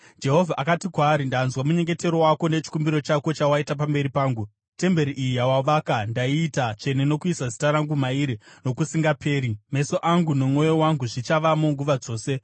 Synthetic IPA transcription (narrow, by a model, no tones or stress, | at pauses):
d͡ʒe̞ɦo̞vʱaʔakatikwaːɾindanzwamuɲe̞ŋɡe̞te̞ɾo̞wako̞net͡ʃi̥kumbiɾo̞t͡ʃako̞t͡ʃawaitap̬ambe̞ɾipaːŋɡu | te̞mbe̞ɾiʔijijawaʋaːkandaiːtat͡ʃe̞neno̞kuisazi̥taɾaŋɡumaiɾino̞kusiŋɡapʰe̞ːɾime̞so̞ʔaŋɡuno̞mŋo̞jowaŋɡuʐit͡ʃaʋamoŋɡuʋad͡zo̞ːse̞